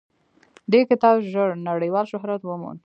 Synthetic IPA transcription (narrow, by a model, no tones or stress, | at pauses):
d̪ekɪt̪ɑbʒəɽnaɽəjwɑlʃʊɦɾat̪wəmṵn